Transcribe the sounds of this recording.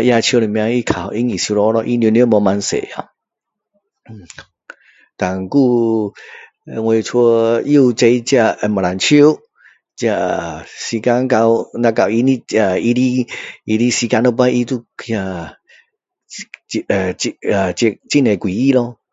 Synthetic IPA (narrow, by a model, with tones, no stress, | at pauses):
ja˧t͡ɕʰi˧˦˧i˨mĩ˧a˧i˧kʰa˨i˧˦ŋi˨su˧lɔ˧˦˧lɔ˧˦ʔi˧njn˧˦mɔ˧ma˧nsḛ˨a˧˨ | t̪a˨˩ŋku˥˧ | ŋwe˧t͡sʰo˧ju˥˧t͡se˧jt͡ɕja˧ma˨ɾa˨nt͡ɕʰi˧˦ | t͡ɕja˧si˧ka˧˦nka˧wnã˧ka˧˨wi˧ni˦a˧i˧ɾi˦i˧ɾi˦si˧ka˧˦no˧pa˧˦ʔi˧t̪u˧kʰja˧˨ | i˧a˨t͡ɕi˧t͡ɕi˦˨ne˨kwi˨i˦lɔ˧